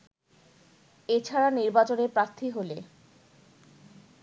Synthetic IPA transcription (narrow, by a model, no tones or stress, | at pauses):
et͡ɕʰaɾaniɾbat͡ɕoneɾpɾaɾt̪ʰiɦole